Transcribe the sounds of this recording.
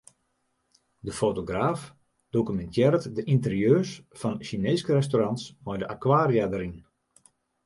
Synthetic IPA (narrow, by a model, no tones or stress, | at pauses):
dəfoːtoɡraːf | d̥okymɛntjɛɾətdəʔintərjøːsfɔnʃineːskərɛstoːrɑntsmɔjdəʔakwaːrjadəɾin